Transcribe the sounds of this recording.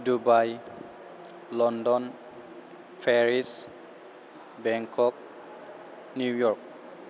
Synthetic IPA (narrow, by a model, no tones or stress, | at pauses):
dubaj | lɔndɔn | pʰɛɹis | bɛŋkʰɔk̚ | nujɔɹk̚